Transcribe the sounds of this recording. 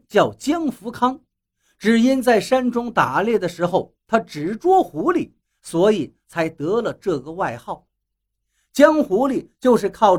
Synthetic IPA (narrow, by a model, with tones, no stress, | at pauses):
t͡ɕjɑ˥˩ʊt͡ɕjɑ˥ŋfu˧˥kʰɑ˥ŋ | ʈ͡ʂɻ̩˨˩i˥nt͡sa˥˩ɪʂa˥nʈ͡ʂʊ˥ŋt̪a˨˩ljɛ˥˩d̪ə˩ʂɻ̩˧˥xo˥˧ʊt̪ʰa˥ʈ͡ʂɻ̩˨˩ʈ͡ʂwɔ˥xu˧˥lḭ˨˩˦ | swɔ˧˥i˨˩˦t͡sʰa˧˥ɪt̪ɤ˧˥lə˨ʈ͡ʂɤ˥˩ɡə˩wa˥˧ɪxɑ˥˩ʊ | t͡ɕjɑ˥ŋxu˧˥li˨˩t͡ɕjo˥˧ʊʂɻ̩˥˧kʰɑ˥˧ʊ